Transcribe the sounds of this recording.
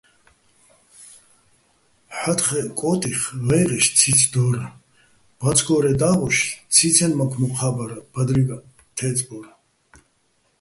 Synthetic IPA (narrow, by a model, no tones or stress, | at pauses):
ħat̪χɛkʼɔt̪ʼiχvɛjʁɛʃt͡sʰid̪ɔɾa | b̥at͡sʰɡɔɾɛd̪aʁɔʃt͡sʰit͡sʰɛnmakʰmɔqʰabaɾab̥ad̪ɾiɡa | t̪ʰɛt͡sʼbɔɾa